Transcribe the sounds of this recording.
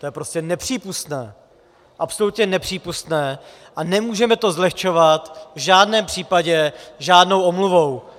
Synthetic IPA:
t̪ojɛpɾo̞scɛnɛpr̥iːpust̪nɛː | ʔapsolut̪ɲɛnɛpr̝̥iːpust̪nɛː | ʔanɛmuːʒɛmɛt̪o̞zlɛxt͡ʃo̞vat̪vʒaːdnɛːmpr̝̥iːpaɟɛʒaːdno̞wʔomluvow

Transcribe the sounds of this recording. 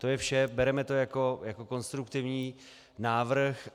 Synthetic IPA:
t̪o̞jɛfʃɛbɛɾɛmɛt̪o̞jako̞jako̞ko̞nst̪ɾukt̪ɪvɲiː | naːvr̩x

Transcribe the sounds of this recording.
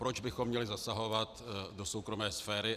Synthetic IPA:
pɾod͡ʒbɪxomːɲɛlɪzasaɦo̞vat̪do̞so̞wkɾo̞mɛːsfɛːɾɪ

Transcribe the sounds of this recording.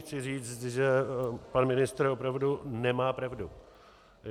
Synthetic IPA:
t͡sɪriːt͡st̪ʒɛpanmɪnɪst̪r̩opɾavdunɛmaːpɾavdu

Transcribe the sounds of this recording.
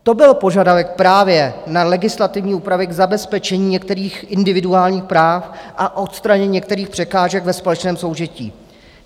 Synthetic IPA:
t̪o̞bɪlpo̞ʒadavɛk̚pɾaːvjɛnalɛɡɪslat̪ɪvɲiːʔuːpɾavɪɡzabɛspɛt͡ʃɛɲiːɲɛk̚t̪ɛɾiːxʔɪndɪvɪduaːlɲiːxpɾaːfʔaʔo̞t̪st̪ɾaɲɛɲɲɛk̚t̪ɛɾiːxpr̥ɛkaːʒɛɡvɛspolɛt͡ʃnɛːmso̞wʒɛcḭː

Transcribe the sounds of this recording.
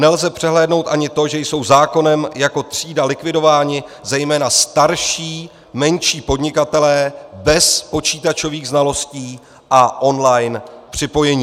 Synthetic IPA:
nɛlzɛpr̝̥ɛɦlɛːdno̞wt̪ʔaɲɪt̪o̞ʒɛjso̞wzaːko̞nɛmjako̞t̪r̝̥iːdalɪkvɪdo̞vaːɲɪ | zɛjmɛːnast̪aɾʃiː | mɛnʃiːpo̞dɲɪkat̪ɛlɛːbɛspo̞t͡ʃiːt̪at͡ʃo̞viːɣznalo̞sciː | ʔaʔo̞nlajnpr̝̥ɪpo̞jɛɲiː

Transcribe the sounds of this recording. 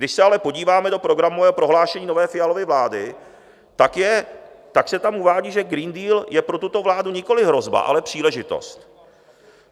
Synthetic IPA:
dɪʃsɛalɛpo̞ɟiːvaːmɛdo̞pɾo̞ɡɾamovɛːopɾo̞ɦlaːʃɛɲiːno̞vɛːfɪjalo̞vɪvlaːdɪ | t̪akjɛ | t̪aksɛt̪amuvaːɟiːʒɛɡɾiːndiːljɛpɾo̞t̪ut̪o̞vlaːduɲɪko̞lɪɦɾo̞zba̰ʔa̰lɛpr̝̥iːlɛʒɪt̪o̞̰st̪

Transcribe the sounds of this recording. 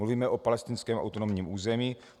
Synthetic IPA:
uviːmɛʔopalɛst̪ɪnskɛːmʔa̰wt̪onomɲiːmʔuːzɛmiː

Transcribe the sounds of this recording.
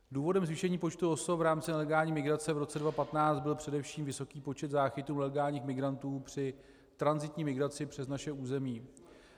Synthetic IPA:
duːvo̞dɛmzvɪʃɛɲiːpo̞t͡ʃt̪uo̞sovɾaːmt͡sɪnɛlɛɡaːlɲiːmɪɡɾat͡sɛvɾo̞t͡sɛdvapat̪naːt͡st̪bɪlpr̥ɛdɛfʃiːmvɪso̞kiːpo̞t͡ʃɛt̪zaːxɪt̪uːlɛlɛɡaːlɲiːxmɪɡɾant̪uːpr̝̥ɪ | t̪ɾanzɪt̪ɲiːmɪɡɾat͡sɪpr̥ɛznaʃɛuːzɛmiː

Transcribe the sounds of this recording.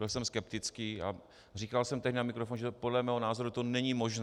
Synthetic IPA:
ɪlsɛmskɛpt̪ɪt͡skiːa̰ | riːkalsɛmt̪ɛɦdɪnamɪkɾofonʒɛpo̞dlɛmɛːɦo̞naːzo̞ɾut̪o̞nɛɲimoʒn

